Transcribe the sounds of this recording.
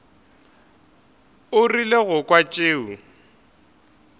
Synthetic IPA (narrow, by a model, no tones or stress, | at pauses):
ʊrileɣʊkʼwat͡ʃʼeːu